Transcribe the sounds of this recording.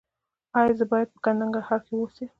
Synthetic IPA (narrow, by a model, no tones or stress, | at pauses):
ɑjɑzəbɑjad̪̚pə̥kanaŋɡahafewosi